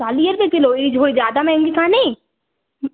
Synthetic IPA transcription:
aːlijəɾbekɪloiːd͡ʒʱoːid͡ʒaːd̪amɛ̃ŋɡikʰaːne | m

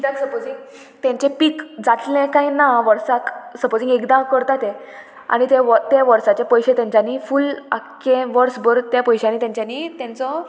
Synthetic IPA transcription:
d̪ãksəpod͡zĩŋɡ | t̪ãɲt͡ɕepiːkd͡zat̪lẽkãɦĩnaʋəɾsaksəpod͡zĩŋɡekd̪akəɾt̪at̪e | a̰ɽ̃it̪eʋət̪eʋəɾsat͡ɕepəjɕet̪jãɲt͡ɕanifula̰kːẽʋəɾsbəɾt̪japəjɕañiːt̪jãɲt͡ɕjaniːt̪jãnt͡sɔ

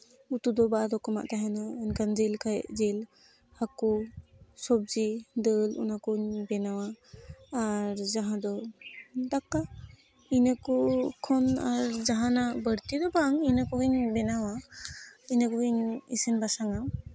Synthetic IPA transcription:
utud̪ɔbad̪ɔkɔma̰ʔt̪aɦanaɯnkʰand͡ʒelkʰajzel | hakusɔb̚zidəlṵnakuɲbɛnawaː | ɾzaɦãd̪ɔ | dakːa | inakukʰɔnaɾzaɦanabəɽt̪idɔbaŋinakuɡiɲbɛnawa | inakuɡiɲḭsinbasaŋaw

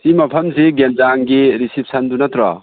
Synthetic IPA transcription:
simɐpʰɐmsiɡenzaŋɡiɾisip̚ʰsandunatɾɔ̰

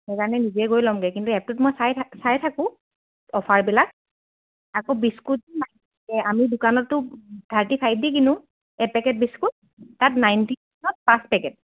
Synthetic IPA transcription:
ɛkaɹɔnɛniziɛɡojlɔmɡɛkintuɛp̚tʊtmɔjsajsajtʰakʊ̃ | ɔpʰaɹbilak̚ | akobiskuima | ɛʔamidʊkanɔtːʊd̥ʱaɹtipʰajb̚dik̬inʊ̃ | ɛpɛkɛt̚biskut̚ː | atnajnti | nɔt̚paspɛkɛt̚

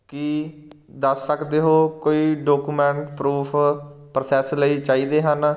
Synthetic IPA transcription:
kɪ | d̪əsːəkd̪eːɦoːkoːiːɖoːkuːmɛ̃ːɳʈpɾuːpʰpɾəsɛːsləiːt͡ʃaːiːd̪eːɦən

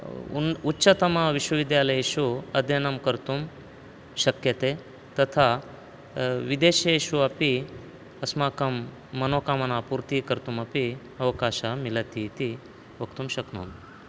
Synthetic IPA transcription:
utːʃɐt̪ɐmɐʋiʃwɐʋid̪jaːlɐjeːʃuɐd̪jenɐmkɐɾt̪um | ʃɐkjɐt̪eː | t̪ɐt̪ʰa | ʋid̪eːʃɐeʃuɐpi | ɐsmaːkɐmː | ɐnoːkaːmɐnaːpuːɾt̪ikɐɾt̪umɐpi | ɐʋɐkaːʃamilɐt̪it̪i | ʋɐkt̪umʃɐkno̰ːn

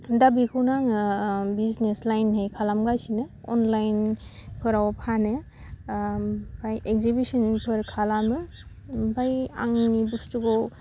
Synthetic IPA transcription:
dabikʰɯwnaŋbizneslajnɦejkʰalamɡajsinɯ | ɔ̰nlajnkʰɯɾawpʰanɯ | bajʔek̚zibisɔnpʰɯɾkʰalamɯ | bʱaja̰ŋnibustuɡɔw

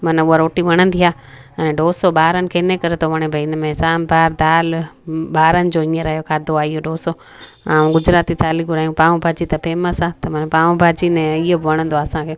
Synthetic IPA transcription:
mɐnuaɾoːʈiʋɐɽ̃ə̃nd̪iaː | ɛñɖoːsoɓaːɾənɪ̆kʰeːɪnẽkɐɾet̪ʰoʋɐɽ̃ẽbʱɐɪnəmẽsaːmbʱaːɾd̪aːlɓaːɾənɪ̆d͡ʑoːĩːə̃ɾɐɦijokʰaːd̪oaːɪɦoɖoːso | aːũɡʊd͡ʑɾaːt̪it̪ʰaːliɡʊɾaːijũpãːũbʱaːd͡ʑit̪ɐpeːməsaːt̪ɐmɐnpaːʋũbʱaːd͡ʑinɛ̃ɪɦobɪʋɐɽ̃ə̃nd̪oaːsãkʰeː

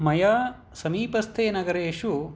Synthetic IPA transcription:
mɐjaː | sɐmiːpɐst̪ʰeːnɐɡɐɾeːʃu

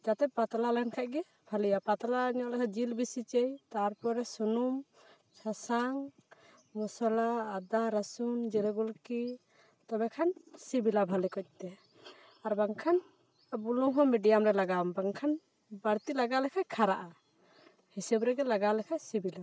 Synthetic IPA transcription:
d͡ʒat̪ɛpat̪alalɛnkʰaʔ̚ɡɛ | bʱalijapat̪alaɲɔʔlɛkʰad͡ʒilbisit͡ʃɛjt̪aɾpɔɾɛsunum | t͡ʃʰasaŋ | mɔsɔlaːd̪aɾasund͡ʒɛɾɛɡulki | t̪ɔbɛkʰansibilabʱalikɔc̚t̪ɛ | aɾbaŋkʰan | bulɔŋɦɔmɛɖijamɾɛlaɡambaŋkʰan | baɾt̪ilaɡalɛkʰakʰaɾaʔa | hisɛbɾɛɡɛlaɡalɛkʰasibila

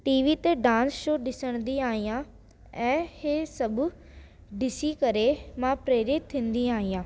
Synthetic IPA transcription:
ʈiːʋiːt̪eɖãːnsʃoːɖɪsəɽ̃d̪iaːɦijãː | ɛ̃ːheːsɐb | ɖɪsikɐɾemãpɾeːɾɪt̪̚t̪ʰːĩːnd̪iaːɦijãː

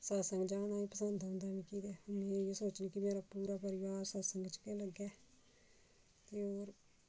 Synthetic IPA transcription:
saːsəŋɡd͡ʒaːnaːiːpəsənd̪ɦʊ̃ːnd̪aːʋĩːkiːd̪ɛːʊnẽːesoːt͡ʃniːkɪmeːɾaːpuːɾaːpəɾɪʋaːɾsaːsəŋɡt͡ʃkeːləɡːɛː | t̪eːoːɾ

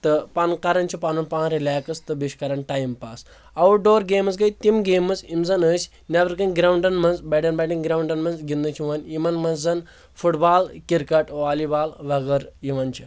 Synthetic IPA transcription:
t̪ɨpɐnkɐɾɐnt͡ʃʰipanunpãːnɾilʲaːkɐst̪ɨbiʃkɐɾɐnʈaːjimpaːs | ɐʋuɖoːɾɡeːmɐs̬ɡɐjt̪imɡeːmɐzimzɐnəːsʲ | nʲaʋɐɾkɐnɡɾawɳɖɐnmɐnzbɛɖɐnbɛɖinɡɾawɳɖɐnmɐnzɡʲind̪ɐt͡ʃʰiʋɐnimɐnmɐnzɐn | fʰuʈbaːlkʲiɾkɐʈʋaːlibaːlʋɐɡɐɾjiʋɐnt͡ʃʰi

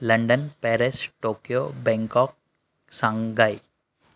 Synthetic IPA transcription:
lɐ̃ɳɖənpɛːɾesʈoːkjobɛ̃ŋkɔːk̚ | sãŋɡai

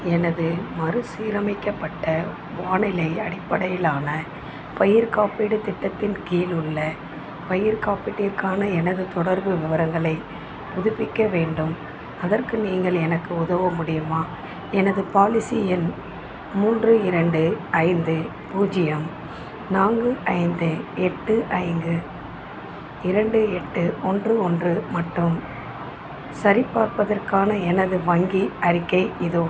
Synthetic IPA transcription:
ɛnɐðɯmɐɾɯsiːɾɐmɪkːɐpːɐʈːɐ | ʋaːɳɪlɐɪɐɽɪpːɐɽɐjɪlaːnɐ | pɐjɪɾkaːpɪɽɯt̪ːɪʈːɐt̪ːɪnkiːlʊɭːɐ | pɐjɪɾkaːpɪʈːɪɾkaːnɐɛnɐðɯt̪ɔɽɐɾbɯʋɪʋɐɾɐŋɡɐɭɐɪ | pʊðʊpːɪkːɐʋeːɳɖɯm | ɐðɐrkɯniːŋɡɐɭɛnɐkːɯʊðɐʋɐmʊɽɪjɯmaː | ɛnɐðɯpaːlɪsɪjɪn | muːndrɯɪɾɐɳɖɯɐɪnd̪ɯ | puːd͡ʒɪjɐm | naːŋɡɯʔɐɪnd̪ɯɛʈːɯʔɐɪnɡ̪ɯ | ɪɾɐɳɖɯɛʈːɯɔndrɯɔndrɯmɐʈːɯm | sɐɾɪpːaːɾpɐðɐrkaːnɐɛnɐðɯʋɐŋɡiɐɾɪkːɐɪɪðo

